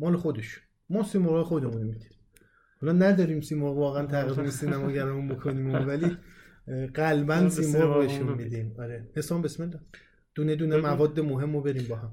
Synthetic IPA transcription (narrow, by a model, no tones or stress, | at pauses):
mɒːlexo̞d̪eʃu̥n | mɒːsimoɾɒːjexod̪emunomid̪iɾi | hɒːlɒːnæd̪ɒːɾiːmsiːmɔːɾovɒːɣeænt̪ʰæɣizunisiːnæmɒːɟæɾɒmumbokʰoniːmovæli | ɢælbænsiːmɔɾoeʃunmid̪imɒɾehesɒːmbesmend̪ | d̪̥uːned̪uːnemævɒːd̪ːemoɦe̞mːobe̞ɾiːmbɒːɦæm